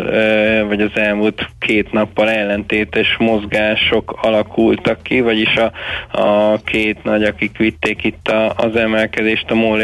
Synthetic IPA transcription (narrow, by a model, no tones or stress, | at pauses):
vɒɟɒzɛlmult̪kʰeːt̪nɒpːɒlɛlːɛnt̪eːt̪ɛʃmo̞zɡaːʃo̞kɒlɒkʰult̪ɒkːivɒɟiʃɒ | kʰeːt̪nɒɟɒkikʋit̪ːeːkit̪ːɒːzɛmɛlkɛd̪eːʃt̪ɒmoːl